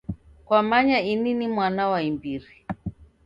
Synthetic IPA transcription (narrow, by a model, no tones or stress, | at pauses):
kwamaɲaininimwanawaimbiɾi